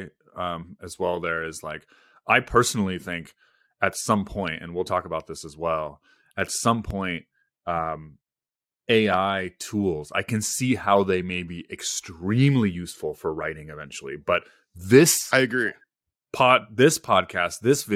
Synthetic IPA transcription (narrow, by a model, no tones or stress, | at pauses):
ʌ̃mɨzwɛlˠðə˞ɪzla̰ɪk | ʔaɪpʰɜ˞sn̩l̩ˠiθɪ̃ŋk | ɨtsʌ̃mpʰɔ̃ɪ̃ntɨ̰̃nwilˠtʰɔkəbaʊt̪̚ðɪsəzwɛlˠ | ɨtsʌ̃mpʰɔ̃ɪ̃nt̚ | ʌ̃m | eɪaɪtʰulˠza̰ɪkɨ̃nsihaʊðeɪmeɪbiʔɨkstɹ̥ĩmlijʉsfl̩ˠfə˞ɹaɪɾɪ̃ŋɨvɛ̃nt͡ʃl̩ˠḭb̥ʌt̪̚ | ðɪsaɪɨɡɹi | pʰɑd̚ðɪspʰɑd̚kʰæst̪̚ðɪsvɪ